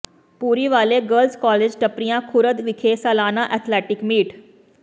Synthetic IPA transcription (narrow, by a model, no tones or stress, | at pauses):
puɾiʋaleɡəlskɔled͡ʑʈəpɾijãkʰuɾəd̪ʋikʰesəlaːnaʔɛt̪ʰlɛʈikmiːʈ